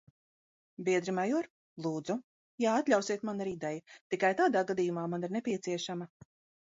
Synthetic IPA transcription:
biɛd̪ɾimajɔɾ | lˠuːd̪zu | jaat̪lʲawsiɛt̪manaɾid̪ɛjut̪ikajt̪aːd̪aːɡad̪iːjumaːmaniɾnepʲiɛt̪siɛʃamɐ

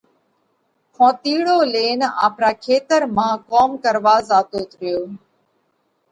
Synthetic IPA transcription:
kʰõːt̪iːɽoːleːna̰ːpɾaːkʰeːt̪əɾmãːkoːmkəɾʋaːzaːt̪oːt̪ɾɪjoː

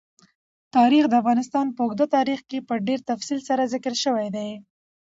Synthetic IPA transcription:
t̪ɑɾixd̪əafɣɑnɪst̪ɑnpəʊɡd̪at̪ɑɾixkepəɖeɾt̪afsilsaɾazɪkəɾʃəwajd̪aj

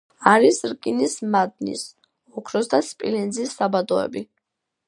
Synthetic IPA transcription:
aɾisɾkʼinismad̪̚nḭs | ɔkʰɾɔsd̪aspʼḭlɛnd̪zisːabad̪ɔɛ̰bi

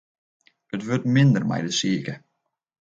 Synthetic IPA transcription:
ətʋʏtmɪnd̪ərma̰jdəsiːkə

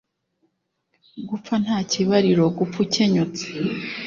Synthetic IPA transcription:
ɡup͡fan̥haːciβaɾiɾo̞ɡup͡fuceɲut͡se̥

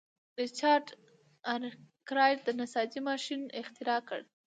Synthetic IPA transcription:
ɾit͡ʃɑɾɖ | ankɾɑjʈ̚d̪ənasɑd͡ʒimɑʃinɪxt̪ɪɾɑkə̰ɽ

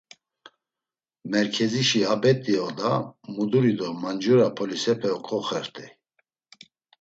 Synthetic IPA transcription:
mɛɾkʰɛziʃiabɛt̪ʼiɔd̪amud̪uɾid̪ɔmand͡ʒuɾapʰɔlisɛpʰɛɔkʼɔχɛɾt̪ʰʼɛ

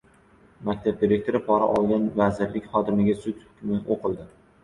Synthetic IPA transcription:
makʲt̪ʰab̚d̪iɾe̞k̚ʲt̪ʰoɾɪpʰɒɾa̰ʔɒlˠɡʲanvazɪɾlɪkʲχɒt̪ɪmɪɡʲasʊt̪ʲhʊkʲmɪoqɨlˠd̪ɪ

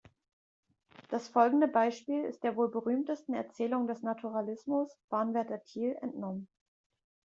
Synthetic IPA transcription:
d̥asfɔlɡŋ̩dəbaɪʃpiːlɪ̰st̚d̥eːɐvoːlbəʁyːmtəstn̩ɛ̰ɐt͡sɛːlʊŋdɛsnatʰuʁalɪsmʊsb̥aːɐnvɛɐtɐtʰiːlʔɛ̰ntnɔmən

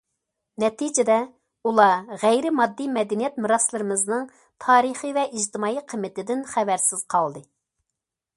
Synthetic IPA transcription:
nɛt̪ʰid͡ʒɪd̪ɛ | ulˠɑʁæjɾɪmɑd̪ːimɛd̪ɛnijɛt̪̚mɨɾɑslˠɨɾɨmɨznɨŋ | t̪ʰɑːɾɨχivɛʔiʒt̪ɨmɑːiqʰəmːɪt̪ɪd̪ɪnχævæɾsɪz̥qʰɑlˠd̪ɨ

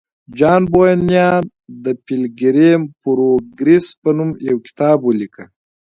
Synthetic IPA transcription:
d͡ʒɑːnbojanjɑːn | d̪əpilɡiɾempuɾoɡɾispɐnumjawki̥t̪ɑːbwulikə

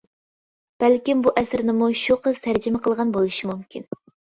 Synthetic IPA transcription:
b̥ælkʲimbuʔɛsɪɾnɪmuʃuqʰəz̥t̪ʰæɾd͡ʒɪmɛqəlˠʁɑnbolˠuʃimumkʲin

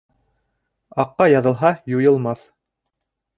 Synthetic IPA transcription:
ɑqːɑjɑðɤ̆lˠɦɑjujɤ̆lˠmɑθ

